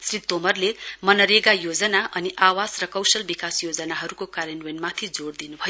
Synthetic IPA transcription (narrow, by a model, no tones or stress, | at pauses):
srit̪omʌrlemʌnʌɾeɡajod͡zʌnaʔʌniʔawasrʌkʌwsʌlbikasjod͡zʌnaɦʌɾukokaɾenwenmat̪ʰid͡zoɽd̪inubʱʌjo